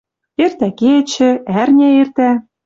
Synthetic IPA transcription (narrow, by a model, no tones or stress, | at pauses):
ert̪æket͡ɕɘ̆ærnʲæert̪æ